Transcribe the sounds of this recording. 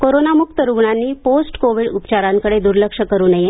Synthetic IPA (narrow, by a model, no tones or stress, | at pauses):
koɾonamuk̚t̪əɾuɡɳanːiːposʈkoʋiɽupt͡ɕaɾãŋkəɽed̪uɾləkʂəkəɾuːnəje